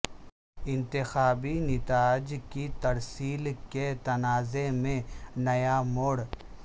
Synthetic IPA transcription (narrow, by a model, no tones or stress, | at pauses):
ɪ̃nt̪ɪxaːbinɪt̪aːd͡ʒkit̪ɐɾsiːlket̪ɐnaːzemẽnɐjamoːɽ